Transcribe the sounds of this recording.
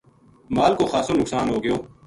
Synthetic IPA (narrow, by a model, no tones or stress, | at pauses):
maːlkoːxaːsoːnʊksaːnɦoːɡɪjoː